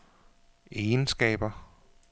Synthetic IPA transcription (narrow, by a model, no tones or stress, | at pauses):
eːnsɡ̥ɛ̰ːb̥ɐ